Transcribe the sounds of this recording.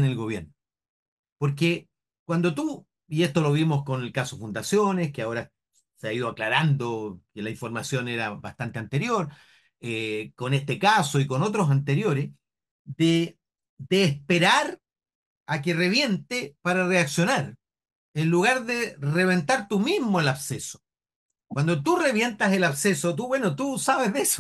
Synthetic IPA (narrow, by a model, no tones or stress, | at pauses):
nelɣo̞βjeɾno | poɾke | kwand̪ot̪u | ie̞st̪o̞lo̞βimosko̞nelkasofund̪asjo̞neskeao̞ɾa | seaið̞oaklaɾand̪okelaiɱfo̞ɾmasjo̞neɾaba̰ht̪ant̪e̞ant̪e̞ɾjo̞ɾ | eko̞nest̪ekaso̞ikono̞t̪̬ɾos̬ant̪e̞ɾjo̞ɾes | ðe | d̪eːspeɾaɾ | ak̬ereβje̞nt̪epaɾareaksjo̞naɾ | enluɣaɾðere̞βe̞nt̪aɾt̪umizmoelaβseso̥ | kwand̪ot̪ure̞βje̞nt̪aselaβsesot̪̬uβwe̞not̪usaβeðeso̥